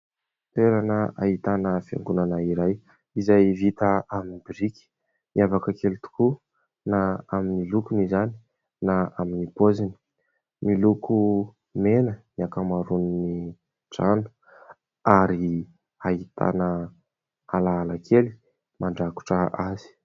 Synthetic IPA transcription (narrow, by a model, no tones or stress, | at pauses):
t̪eɾanəa̰it̪anəfa̰ŋɡunanaiɾaj | izajvit̪əaminibiɾiki̥ | miavakəkelit̪u̥ku | naaminilukumizani̥ | naaminipozini̥ | miluku | menəniakamaɾunni | ʈ͡ʂanu̥ | aɾi | ait̪ʰa̰nə | alaːlakʰeli̥ | maɳɖ͡ʐaku̥ʈ͡ʂəʔazi̥